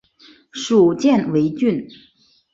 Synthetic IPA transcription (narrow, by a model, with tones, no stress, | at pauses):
ʂu˨˩t͡ɕjɛ˥˩˨nwe˧˥ɪt͡ɕy˥˩n